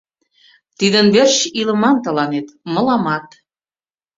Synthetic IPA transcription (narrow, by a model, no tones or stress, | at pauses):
t̪id̪ənβerʃilə̆mɑnt̪ə̆lɑnet̪mə̆lɑmɑt̪